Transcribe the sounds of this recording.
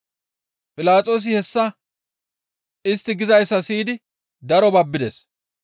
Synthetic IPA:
pʼɪlaːt͡sʼo̞ːs̬ɪhɛsːɐ | ɪst̪ːɪɡɪzɐjsːɐsiːd̪ɪ | d̪ɐɾɔbɐbːɪd̪ḛs

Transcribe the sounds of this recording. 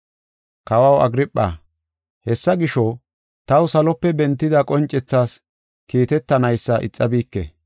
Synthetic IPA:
kɐwɐwɐ̰ɡɾɪpʼːa̰ː | hɛsːɐɡɪʃɔ | t̪ɐwsɐlɔpːɛbɛnt̪ːɪd̪ɐkʼɔnt͡ʃʼːɛt͡sːaːs | kiːt̪ɛt̪ːɐnɐjsːɐʔɪ̰t͡sʼːɐbiːkːɛ̰

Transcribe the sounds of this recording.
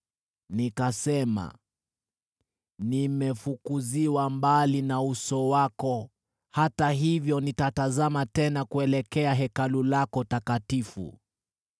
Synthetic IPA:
nikasɛma̰ | nimɛfukuziwambalinausɔwakɔ | hataɦivjɔnitatazamatɛnakuɛlɛkɛaɦɛkalulakɔtakatifṵ

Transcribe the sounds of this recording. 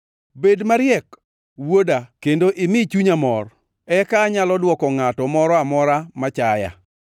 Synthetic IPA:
bedmaɾɪjɛk | wodakendoʔɪmɪt͡ʃuɲamɔr | ɛkaːɲalɔdwɔkɔŋatɔmɔɾɔamɔɾamat͡ʃaja̰

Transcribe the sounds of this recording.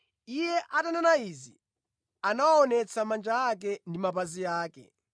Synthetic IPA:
ijɛʔatananaizi | anawaɔnɛt͡sʰamand͡ʒaːk̬ɛndimapazijaːkɛ̰

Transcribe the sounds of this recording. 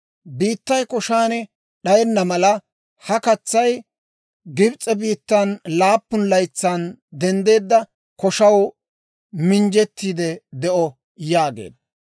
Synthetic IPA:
biːt̪ːɐjkɔʃaːnɛ | ɗɐjɛnːɐmɐlɐ | hɐkɐt͡sːɐj | ɡɪbt͡sʼːɛbiːt̪ːɐnlaːpːʊnlɐjt͡sːand̪ɛnd̪e̞ːd̪ːɐ | kɔʃɐw | mɪnd͡ʒɛt̪ːiːd̪ɛd̪ɛʔɔ | jaːɡḛːd̪ɐ

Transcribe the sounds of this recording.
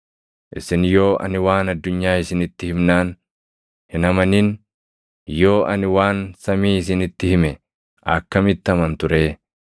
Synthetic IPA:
ʔɪ̰sɪnjo̞ːʔɐ̰nɪwaːnɐd̪ːʊɲːaːɪsɪnɪt̪ːɪhɪmnaːn | hɪnɐmɐniːn | jo̞ːʔɐnɪwaːnsɐmiːɪs̬ɪnɪt̪ːɪhɪmɛ | ʔɐ̰kːɐmɪt̪ːɐmɐnt̪ʊɾeː

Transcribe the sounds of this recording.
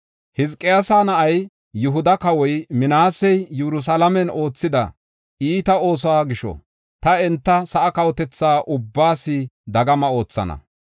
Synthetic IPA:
hɪzkʼːɪjasaːnɐʔɐj | jʊɦʊd̪ɐkɐwɔjmɪnaːsɛjjɛɾʊs̬alɐmɛno̞ːt͡sːɪd̪ɐ̰ | iːt̪ɐo̞ːs̬aːɡɪʃɔ̰ | t̪ɐɛnt̪ːɐsɐʔɐkɐwɔt̪ɛt͡sːaːʔʊbːaːsɪd̪ɐɡɐmɐo̞ːt͡sːɐ̰nɐ̰

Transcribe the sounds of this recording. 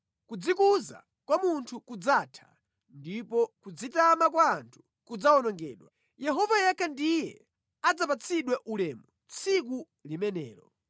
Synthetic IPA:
kud͡zikuza̰ | kwamuntʰukud͡zaːtʰḁ̰ | ndipɔkud͡zitamak̬waːntʰu̥ | kud͡zaɔnɔŋɡɛ̰ːɗwa | jɛɦɔvajɛkʰandijɛ | ad͡zapat͡sʰiɗwɛʔulɛːmu | t͡sʰik̬u | limɛnɛːɾɔ

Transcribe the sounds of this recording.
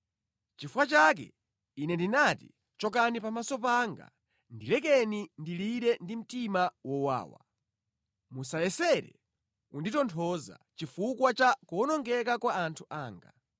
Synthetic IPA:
t͡ʃifukat͡ʃak̬ɛ̰ | inɛndinatḭ | t͡ʃɔkanipamasɔpaŋɡa̰ | ndilɛkɛnindiliɾɛndim̩timawɔwa̰ːwa̰ | musajɛsɛɾɛ̰ | unditɔntʰɔza̰t͡ʃifukwat͡ʃakuɔnɔŋɡɛkakwaːntʰuʔaːŋɡa

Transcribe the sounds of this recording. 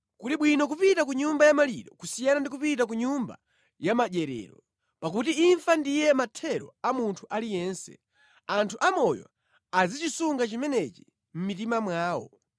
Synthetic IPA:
kuliɓwinɔkupitakuɲumbajamaliɗɔkusijanandikupitak̬uɲumba̰ | jamaʄɛɾɛ̰ːɾɔ | pak̬utiːɱfandijɛmatʰɛɾɔ̰amuntʰuʔalijɛːnsɛ̰ | antʰuʔamɔjɔ̰ | azit͡ʃisuŋɡat͡ʃimɛnɛt͡ʃi | m̩mit̬imamwaːwɔ̰

